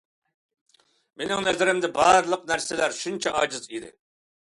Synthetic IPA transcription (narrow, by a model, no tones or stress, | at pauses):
menɪŋnɛzɪɾɪmd̪ɪbɑɾɨlˠəqnæɾsɪlæɾʃunt͡ʃʰɛʔɑd͡ʒɨzid̪ɪ̰